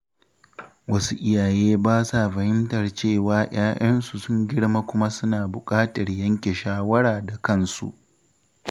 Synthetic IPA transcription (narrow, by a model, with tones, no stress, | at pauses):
wɐ˦su˦ʔɪ˦jaː˨jeː˦baː˦sa˨ɸɐ˨hɪ˦mtɐ˨rt͡ʃeː˦˨waː˦j̰aː˦ʔɐ˦nsu˨sʊ˦ŋɡʲɪ˦ɽma˦kʷʊ˦ma˦sʊ˦naː˨bʊ˨kʼaː˦tɐ˨rjɐ˦ŋkʲe˨ʃaː˦wɐ˦ɽaː˨da˨kɐ˦˨nsṵ˦ʔ